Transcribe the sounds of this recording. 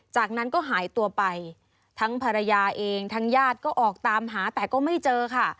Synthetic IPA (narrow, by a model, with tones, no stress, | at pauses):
t͡ɕaː˨˩k̚na˦˥nkɔː˥˩ɦaː˩˦jt̪u˧ɐpa˧j | t̪ʰa˦˥ŋpʰa˧ɾa˧jaː˧ʔeː˧ŋt̪ʰa˦˥ŋjaː˥˩t̪̚kɔː˥˩ʔɔː˨˩k̚t̪aː˧mɦaː˩˦t̪ɛː˨˩kɔː˥˩ma˥˩jt͡ɕɤː˧kʰa˥˩